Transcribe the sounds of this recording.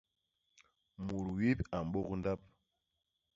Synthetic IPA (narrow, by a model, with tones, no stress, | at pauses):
mu˨ɾwi˦pa˨m˨ɓo˦knda˦p̚